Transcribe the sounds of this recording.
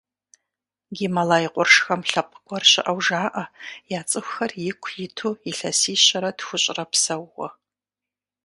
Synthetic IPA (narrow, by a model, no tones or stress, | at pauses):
ɡʲimɐlaːjɪqʷʼʊrʂxɐmɬɐp̚ʰʼɡʷɔrɕɪ̰ʔɐwʒaːʔɐjaːt͡sʼɨxʷxɐrjɪkʷʰjɪtʰuːiɬɐsiːɕɐɾɐdxʷʊɕʼrɐpsɐwʁɔ̰